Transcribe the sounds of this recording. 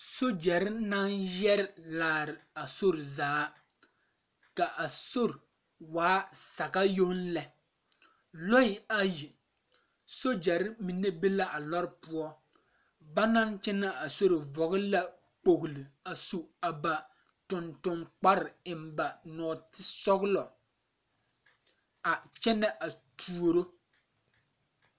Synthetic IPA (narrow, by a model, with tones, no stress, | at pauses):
so˦d͡ʒɛ˨ɾɪ˦na˦njɛ˦ɾɪ˨laː˨ɾɪ˨a˨so˦ɾɪ˨zaː˦ | ka˨ʔa˨so˦ɾɪ˨ | waː˨˦sa˨ɣa˦jo˦n˦lɛ˨ | lɔ˦ɪ˨a˦ji˨ | so˦d͡ʒɛ˨ɾɪ˦mi˨ne˦be˦la˦ʔa˨lɔ˦ɾɪ˦pʊ˦ɔ˦ | ba˦na˦nt͡ʃɛ˦na˦a˨so˦ɾe˨vɔ˨ɣɪ˦la˦ | k͡po˨ɣli˨a˨su˨a˨ba˨ | tʊ˨ntʊ˨mk͡pa˦ɾɪ˨ɪ˨mba˨nɔ˨tɪ˦sɔ˦ɣlɔ˨ | a˨t͡ʃɛ˦nɛ˦ʔa˨tʰu˨o˨ɾo˦